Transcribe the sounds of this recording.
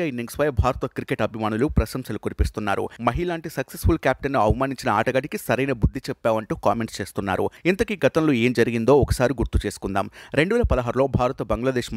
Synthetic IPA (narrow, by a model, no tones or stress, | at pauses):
aːinːiŋɡsʋɐjɐbʱaːɾɐt̪ɐkɾikeʈɐbʱimaːnulupɾɐʃɐmsɐlukoɾipist̪unːaːɾṵmɐɦilaːɳʈisɐksesfʰulkjaːp̚ʈɐnːuɐʋɐmaːniɲt͡ʃinɐaːʈɐɡɐʈikisɐɾɐjnɐbud̪ʱːit͡ʃɛpːaːʋɐɳʈuːkaːme̞ɳʈst͡ʃe̞ːst̪unːa̰ːɾṵint̪ɐkiɡɐt̪ɐmloːeːmd͡ʒɐɾiɡind̪o̞ːɔkɐ̥saːɾiɡuɾt̪ut͡ʃe̞ːsu̥kund̪a̰ːmɾe̞ɳɖuʋɛːlɐpɐd̪ɐɦaːɾulo̞ːbʱaːɾɐt̪ɐbɐŋɡlaːd̪e̞ːʃm